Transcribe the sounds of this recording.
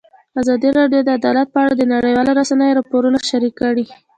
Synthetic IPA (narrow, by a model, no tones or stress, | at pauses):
azɑd̪iɾɑɖjod̪əad̪ɑlat̪̚pəaɽad̪ənaɽəjwɑlaɾasanəjoɾɑpoɾunaʃaɾikːaɽi